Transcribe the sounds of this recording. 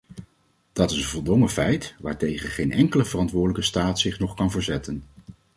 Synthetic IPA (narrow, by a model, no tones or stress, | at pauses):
d̥ɑtɪsənvɔlˠdɔŋəfɛjtʋa̰ːɹtejχənχejnʔɛŋkələvərɑntʋʊːdələkəstaːtsɪχnɔχkɑnvəɹzɛtən